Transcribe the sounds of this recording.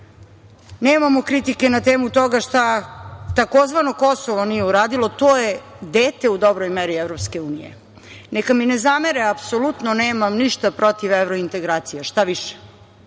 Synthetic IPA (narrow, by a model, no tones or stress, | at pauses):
neːmamokɾit̪ike̞nat̪eːmut̪o̞ɡaʃt̪at̪ako̞zʋanoko̞soʋonijeuɾaːd̪ilˠo̞t̪oːje | d̪eːt̪e̞ud̪o̞bɾojmeɾievɾopske̞uːnḭjḛ | nekaminezameɾeapsolut̪noneːmamniʃt̪apɾo̞t̪iʋeʋɾoint̪e̞ɡɾaːt̪sijeʃt̪aʋiʃe̥